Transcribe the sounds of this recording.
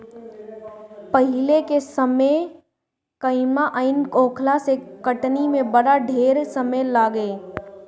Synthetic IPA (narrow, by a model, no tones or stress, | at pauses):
pəɦɪlekesəme | kəɪmaʔaɪnkõːkʰlasekəʈnimẽbəɽaɖʱeːɾsəməlaːɡeː